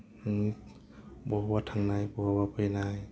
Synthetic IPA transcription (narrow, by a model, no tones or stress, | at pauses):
bɔbatʰaŋnajbɔwabapʰɯjnaj